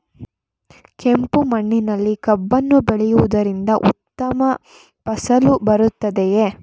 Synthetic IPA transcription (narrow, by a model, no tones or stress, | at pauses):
kempumɐɳːinɐlːikɐbːɐnːubeɭɛjuʋud̪ɐɾind̪ɐʔut̪ːɐmɐ | pɐsɐlubɐɾut̪ːɐd̪eje